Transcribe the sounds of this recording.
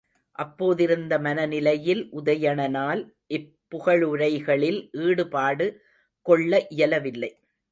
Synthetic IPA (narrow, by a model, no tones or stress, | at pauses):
ʔɐpːoːðɪɾɯnd̪ɐmɐnɐnɪlɐjɪlʔʊðɐjɐɳɐnaːl | ʔɪpːʊɣɐɭʊɾɐɪɣɐɭɪlʔiːɽɯpaːɽɯ | kɔɭːɐʔɪjɐlɐʋɪlːɐɪ